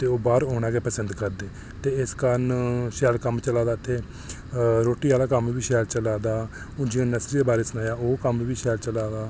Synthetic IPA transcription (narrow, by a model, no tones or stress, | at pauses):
t̪eːoːbaːɾɦoːɽ̃aːɡeːpəsənd̪kəɾd̪eː | t̪eːɪskənʃɛːlkəmt͡ʃəlaːd̪aːt̪ʰːeː | ɾoːʈiːaːlaːkəmibiːʃɛːlt͡ʃəlaːd̪aː | ʊd͡ʒiãːnəsɾid̪eːbaːɾeːsənaːjaːoːkəmibiːʃɛːlt͡ʃəlaːd̪aː